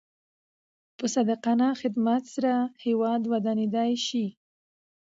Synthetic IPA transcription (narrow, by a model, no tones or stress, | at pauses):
pəsad̪aqɑnɑxɪd̪mat̪saɾahewɑd̪wad̪ɑned̪ɑjʃi